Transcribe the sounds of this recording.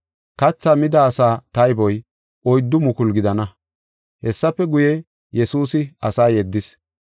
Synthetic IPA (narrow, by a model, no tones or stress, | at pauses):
kɐt͡sːaːmɪd̪ɐːsaːt̪ɐjbɔj | ʔɔjd̪ːʊmʊkʊlɡɪd̪ɐnɐ | hɛsːɐpːɛɡʊjɛ | jɛsuːsɪɐsaːjɛd̪ːɪs